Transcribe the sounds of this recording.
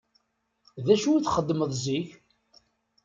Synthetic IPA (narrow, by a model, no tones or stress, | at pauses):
ðæʃuiθχəd̪ːməðˤziç